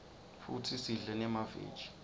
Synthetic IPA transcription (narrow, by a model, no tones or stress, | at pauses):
futʰisiɮɛnɛmavḛ̥ːd͡ʒ̥i̥